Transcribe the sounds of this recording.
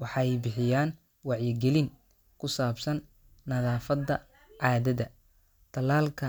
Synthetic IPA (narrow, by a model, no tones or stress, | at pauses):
wɑħɑːɛjbɪħɪjaːn | wɑʕjɪɡɛlɪŋ | kʰʊsaːbsɐnː | ɐðaːfɐðɐ | ʕɑːðɐðɐ | t̪ʰɐlaːlkʰɐ